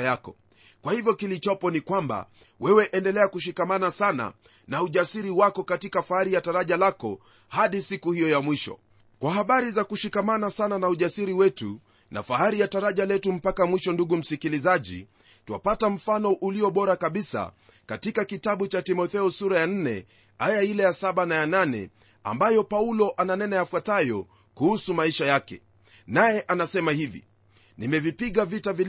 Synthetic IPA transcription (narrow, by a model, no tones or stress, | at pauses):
jakɔ | kwahivjɔkilit͡ʃɔpɔnikwamba̰ | wɛwɛʔɛndɛlɛakuʃ̬ikamanasana̰ | nauʄasiɾiwakɔkatikafahaɾijataɾaʄalakɔ̰ | haɗisikuhijɔjamwiʃɔ̰ | kwaɦaɓaɾizakuʃikamanasananauʄasiɾiwɛtṵ | na̰faɦaɾijataɾaʄalɛtum̩pakamwiʃɔnduɠum̩sikilizaʄḭ | tuwa̰patam̩fanɔʔuliɔɓɔɾakaɓisa̰ | katikakitaɓut͡ʃatimɔθɛɔsuɾajan̩nɛ̰ | ajailɛjasaɓanajananɛ̰ | a̰mbajɔpaulɔʔananɛnajafwatajɔ | kuhusumaiʃajakɛ̰ | najɛʔanasɛmahivḭ | nimɛvipiɠavitavil